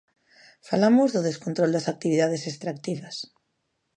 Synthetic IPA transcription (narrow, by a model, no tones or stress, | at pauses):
falamʊzðʊðeskont̪ɾold̪asak̚t̪iβ̞iðað̞esest̪ɾakt̪iβɐs